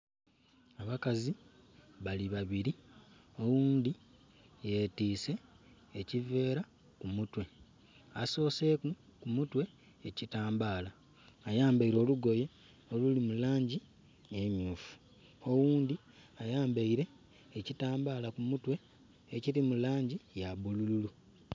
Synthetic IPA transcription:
aβakaziβaliβaβiɾio̞wuːnd̪i | je̞tiːse̞ː | cive̞ːɾa | kumutwe̞ | aso̞ːse̞ːkukumutweː | citaːmbaːlaː | jaːmbaiɾo̞ːluɡo̞je̞ | olulimulaːɲɟi | emjuːfu̥ | o̞wuːnd̪i | ajaːmbaiɾe̞ː | citaːmbaːlakumutwe̞ː | ciɾimulaːɲɟijaβulululu

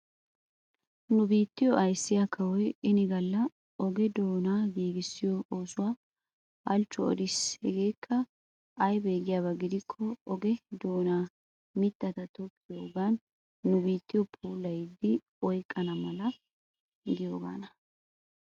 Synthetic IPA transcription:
nʊbiːt̪ːɪjɔʔɐjsːɪjakʰɐwɔjɪnɪɡɐlːɐ | ɔɡɛd̪o̞ːnaːɡiːɡɪsːɪjɔoːsʊwaː | ɐlt͡ʃːɔɔ̰d̪ɪshɛɡe̞ːkʰːɐ | ʔɐjbeːɡɪjaːβɐɡɪd̪ɪkʰːɔɔɡɛd̪o̞ːnaː | mɪt̪ːɐt̪ɐt̪ɔpʼːɪjoːɡaːnː | ʊbiːt̪ːɪjɔpʰuːlːɐjd̪ːɪ | ɔjkʼːɐnɐmɐlɐ | ɪɡ̪ɪjo̞ːɡa̰ːnɐ

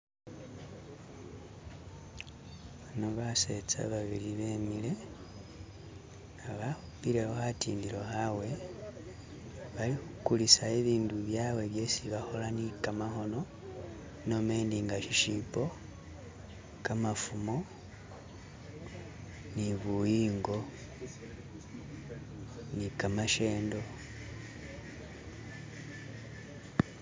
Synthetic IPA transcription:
βanoβase̞t͡sa̰βaβiɾiβemile̞ | aβahupiɾe̞ho̞hatʰḭːndiɾo̞hawe̞ | βalixukulisaeβiːnduβjaːwe̞βje̞siβaxo̞lanikamaxo̞no̞ | no̞me̞ːndiŋɡaʃiʃipo̞ | kamafumo̞ | niβujiːŋɡo̞ | nikamaʃe̞ːndo̞

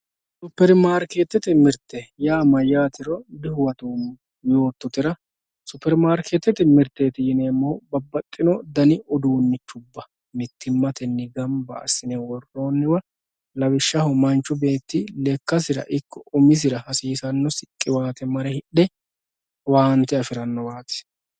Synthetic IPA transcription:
sʊpːɛɾmaːɾkeːt̪ːɛt̪ɪmɪɾt̪ːɛjaːmɐjaːt̪ɪɾɔd̪ɪhʊwɐt̪uːm | jo̞ːt̪ːɔt̪ɪɾɐ | sʊpːɛɾmaːɾkeːt̪ːɛt̪ɪmɪɾt̪ːeːt̪ɪjɪneːmːobɐbːɐt̪ʼːɪnɔd̪ɐnɪʔɔd̪uːnːɪt͡ʃːʊbːɐ | mɪt̪ːɪmːɐt̪ɛnːɪɡɐmbɐ̰ːsɪnɛwɔrːo̞ːnːɪwɐ | lɐwɪʃːɐhʊmɐnt͡ʃːʊbe̞ːt̪ːɪlɛkːɐsɪɾɐ̰ʔɪkʰːɔʔʊmɪs̬ɪɾɐhɐsiːsɐnːɔsɪkʼːɪwaːt̪ɛmɐɾɛhɪɗːɛ | waːnt̪ɛɐfɪɾɐnːɔwaːt̪ɪ̥

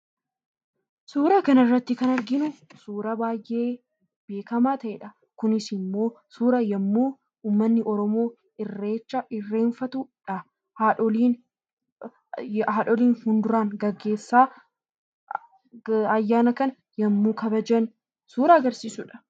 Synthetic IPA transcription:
suːɾɐkɐnɪrːɐt̪ːɪkɐnɐɾɡɪnʊsuːɾɐbaːjʔe̞ː | b̥e̞ːkɐmaːt̪ɐʔḛːᶑɐ | kʊnɪsɪmːo̞ː | suːɾɐjɐmːuː | uːmːɐnːɪʔɔɾɔmo̞ː | ɪrːeːt͡ʃːɐɪrːe̞ːnfɐt̪ʊᶑɐ | haᶑɔliːn | haːᶑɔliːnhʊnd̪ʊɾaːŋɡɐɡːe̞ːsːaː | ɐjːaːnɐkɐnɐ | jɐmːuːkʰɐbɐd͡ʒɐn | suːɾɐɐɡɐɾsiːsʊᶑɐ̥

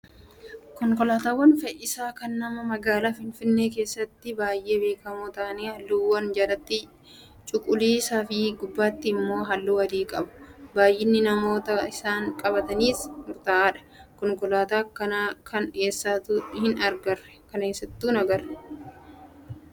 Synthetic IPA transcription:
kɔŋkʊlaːt̪aːwːɐnfɛʔɪsaːkɐnːɐmɐmɐɡaːlaːfɪnfɪnːeːk̬e̞ːsːɐt̪ːɪbaːjʔe̞ːbe̞ːkɐmuːt̪aːneːhɐlːuːwɐnd͡ʒɐɾɐt̪ːɪ | t͡ʃʼʊkʼʊliːsaːfɪɡʊbːaːt̪ːɪːmːo̞ːɦɐlːuːɐd̪iːkʼɐ̰bʊ̥baːjʔɪnːɪnɐmo̞ːt̪ɐɪsaːŋkʼɐbɐt̪ɐniːsmʊɾt̪aaːᶑɐ̥kɔŋkʊlaːt̪aːkɐnaːkʰɐne̞ːsːaːt̪uᶑhɪnɐɾɡɐrːɛ̥kɐneːsːɐt̪ːuːnɐɡɐrɛ

